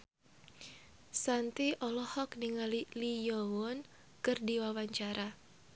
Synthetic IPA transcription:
sant̪iʔɔlɔhɔkniŋalilijɔwɔn | kɨrdiwawaɲt͡ʃaɾʔa

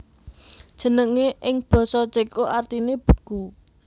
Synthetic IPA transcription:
d̥ʒ̥ə̤nəŋeʔɪŋb̥ɔ̤sɔt͡ʃekoʔart̪ineb̥ə̤̥ku

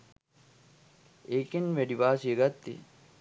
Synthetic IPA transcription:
ekinʋeɖiʋaːsijeɡɐt̪ːḭ

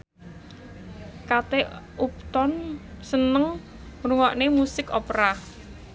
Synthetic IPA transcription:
kat̪eʔup̚t̪ɔnsənəŋ | ruŋɔʔnemusɪkɔpɾa

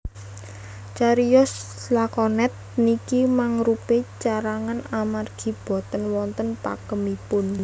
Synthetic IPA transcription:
t͡ʃaɾiɔslakɔnɛt̪̚nikimaŋɾupet͡ʃaɾaŋanamarɡ̥i̤b̥ɔ̤t̪ənwɔnt̪ənpa̰ɡ̥əmipʊn

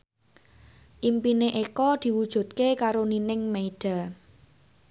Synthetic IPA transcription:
ʔimpineʔekɔd̪̥i̤wud̥ʒ̥ṳt̪̚kekaɾoninɪŋmeiɖ̥a̤

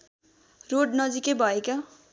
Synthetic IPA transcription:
roɽnʌd͡zikebʱʌeka

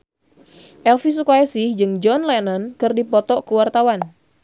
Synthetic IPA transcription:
ʔɛlfisukaɛsɪhd͡ʒɨŋd͡ʒɔnlɛnɔnkɨrdipɔt̪ɔʔkəwart̪awan

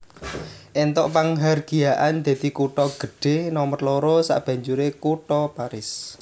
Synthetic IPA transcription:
ʔɛnt̪ɔʔpaŋɦarɡ̥i̤jaʔand̪̥ä̤d̪̥ikuʈɔɡ̥əɖ̥e̤hnɔmərlɔɾɔsa̰ʔb̥ä̤ɲd͡ʒuɾekuʈɔpaɾɪs

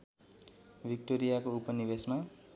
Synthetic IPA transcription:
bʱik̚ʈoɾijakoupʌnibesma

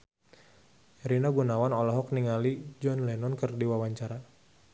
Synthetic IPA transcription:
ɾinaɡunawanɔlɔɦɔk̚niŋalid͡ʒɔnlɛnɔnkərdiwawaɲt͡ʃaɾa

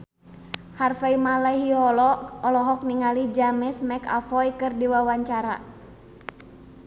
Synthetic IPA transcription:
harfaimalaɦiɔlɔɔlɔɦɔk̚niŋalid͡ʒamɪsmɛka̰fɔjkɨrdiwawaɲt͡ʃaɾa̰

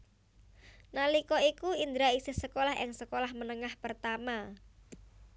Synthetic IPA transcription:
nalikɔikuind̪ɾaisɪhsəkolahɪ̰ŋsəkolahmənəŋahpərt̪ama

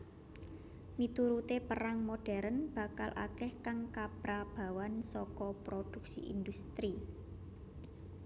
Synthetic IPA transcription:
mit̪uɾut̪epəɾaŋmoɖ̥ɛ̤ɾənb̥ä̤kalʔa̰kɛhkaŋkab̥ɾab̥a̤wansɔkɔpɾod̥ṳk̚sḭʔḭnd̪ust̪ɾi

